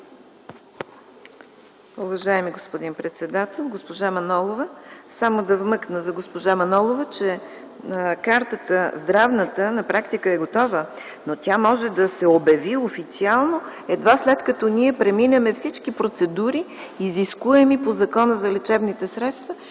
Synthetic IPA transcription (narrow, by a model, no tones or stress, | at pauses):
uvɐʒaɛmiɡospod̪inpɾɛt̪sɛd̪at̪ɛlˠɡospoʒamɐnɔlˠovəsamod̪ɐvmɤknəzɐɡospoʒamɐnɔlˠovət͡ʃɛ | kaɾt̪ət̪əzd̪ɾavnət̪ənɐpɾakt̪ikəɛɡot̪ɔvə | not̪ʲjamɔʒɛd̪ɐsɛobɛviofit̪sialˠnoɛd̪vaslɛt̪kɐt̪ɔniɛpɾɛminəmɛfsit͡ʃkipɾot̪sɛd̪uɾiːziskuɛmipozɐkɔnəzɐlɛt͡ʃɛbnit̪ɛsɾɛt̪st̪və